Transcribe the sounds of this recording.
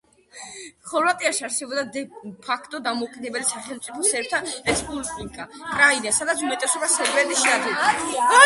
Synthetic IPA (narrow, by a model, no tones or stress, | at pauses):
χɔlvat̪ʼiaʃiaɾsɛbɔbd̪ad̪ɛpʰakʰt̪ʼɔd̪amɔkʼid̪ɛbɛlisaχɛlmt̪sʼipʰɔsɛɾt̪ʰaɛspʼulˠsniŋkʼakʼɾainasad̪at̪sʰumɛt̪ʼɛsɔbasɛɾbɛɾd̪iʃiad̪ʰɛ